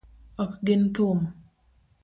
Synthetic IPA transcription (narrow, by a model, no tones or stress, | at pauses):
ɔkɡɪnt̪um